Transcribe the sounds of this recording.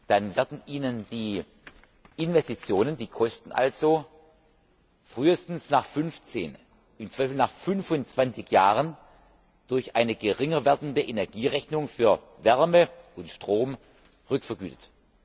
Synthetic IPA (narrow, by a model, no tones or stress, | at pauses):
d̥anvɛɐdn̩ʔiːnənd̥iː | ʔɪnvɛstit͡sjoːnəndiːkʰɔstn̩ʔa̰lz̥o | fʁ̥yːəstn̩snaːχfʏnft͡sḛːn | ʔɪmt͡sv̥aɪfl̩naːχfʏnfʊnt͡sv̥ant͡sɪçjaːʁən | d̥ʊɐçʔaɪnəɡəʁɪŋɐvɛːɐdn̩dəʔenɛɐɡiːʁɛçnʊŋfyːɐ | vɛɐməʊntʃtʁ̥oːm | ʁʏkfɐɡyːtə̥t